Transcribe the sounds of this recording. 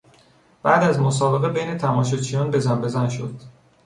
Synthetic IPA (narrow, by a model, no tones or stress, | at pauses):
b̥æd̪æzmosɒːbe̞ɣebejne̞t̪ʰæmɒːʃ̬ot͡ʃʰijɒːnbe̞zæmbe̞zænʃo̞̰d̪̥